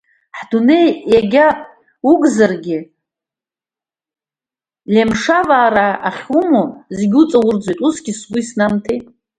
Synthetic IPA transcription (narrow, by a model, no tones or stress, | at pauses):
ħd̥unejjaɡʲapʼ | uɡzarɡʲɪ | lemʂavaːɾaːχʲumozeɡʲut͡sʼawʊrd͡zʷojtʼusɡʲɪsɡʷʊisnamtʰe